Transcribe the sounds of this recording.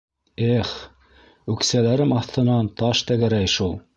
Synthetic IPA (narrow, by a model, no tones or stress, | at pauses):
eχ | ʉksælæɾɘmɑθt̪ɤ̆nɑnt̪ɑʃt̪æɡæɾæjʃulˠ